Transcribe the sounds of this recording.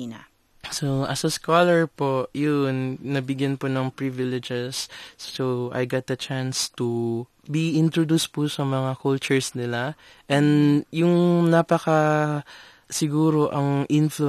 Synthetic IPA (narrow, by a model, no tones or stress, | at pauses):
na | soʔɐsɐskalɛɹpoʔjʊnːɐɡ̚bɪɡjanpʊnɐŋpɹivɪlɪd͡ʒɛsːowʔa̰jɡat̪̚d̪ɐt͡ʃanst̪u | biʔɪnt̪ɾod̪uspʊsɐmɐŋakult͡ʃʊɹsnɪla | ʔɛnd̪jʊŋnapɐkɐ | sɪɡuːɾo̞ʔɐŋʔɪnflu